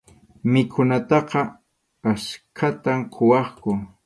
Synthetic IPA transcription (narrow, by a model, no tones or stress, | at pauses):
mɪkʰʊnat̪ɑqɑ | askʰat̪amqʰowɑχkʊ